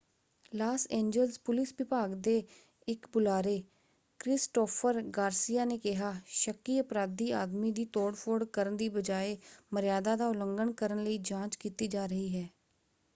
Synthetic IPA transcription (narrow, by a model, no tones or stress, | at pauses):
laːsẽːɲd͡ʒəlspʊlɪsʋɪpaːɡd̪eː | ɪkbʊlaːɾeː | kɾɪsʈoːpʰəɾɡaːɾsiːjaːneːkɪɦaːʃəkːiːəpɾaːd̪iːaːd̪miːd̪iːt̪oːɽpʰoːɽkəɾənd̪iːbəd͡ʒaːeːməɾɪjaːd̪aːd̪aːʊləŋɡəɳkəɾənləiːd͡ʒãːt͡ʃkiːt̪iːd͡ʒaːɾəɦiːɦɛː